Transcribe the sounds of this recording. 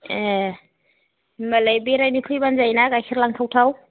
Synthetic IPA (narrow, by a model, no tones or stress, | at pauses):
məlajbeɾajnikʰɯjbanzajnakakʰiɾlaŋtʰawtʰaw